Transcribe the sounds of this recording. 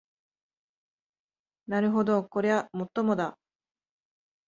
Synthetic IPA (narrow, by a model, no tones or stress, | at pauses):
naɾɯ̟ɦo̞d̪o̞ko̞ɾe̞βamo̞t̪ːo̞mo̞d̪a